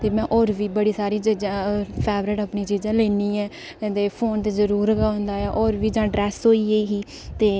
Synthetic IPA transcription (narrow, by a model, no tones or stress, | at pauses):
t̪eːmɛ̃ːʔɔːɾʋiːbəɽiːsaːɾiːt͡ʃid͡ʒãːpʰɛːʋɾɪʈəpnĩːt͡ʃiːd͡ʒãːleːniːɛ̃ː | t̪eːpʰoːnt̪eːzəɾuːɾaːʊ̃nd̪aːɛːʔɔːɾʋiːd͡ʒãːɖɾɛːsɦoːiːeiːɦiː | t̪eː